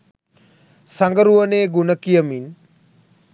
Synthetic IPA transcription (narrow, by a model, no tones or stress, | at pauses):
saŋɡəɾuʋəneːɡunəkijəmin